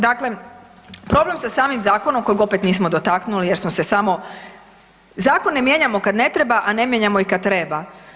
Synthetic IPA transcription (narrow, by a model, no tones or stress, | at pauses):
d̪akle̞ | pɾo̞ble̞msasaːmimzaːko̞nomko̞jiɡo̞pet̪niːsmo̞d̪ot̪aknulijeɾsmose̞samo̞ | zaːkonːemje̞ɲamo̞kad̪ne̞t̪ɾe̞baʔane̞mjeɲamo̞ikad̪̚t̪ːɾe̞ba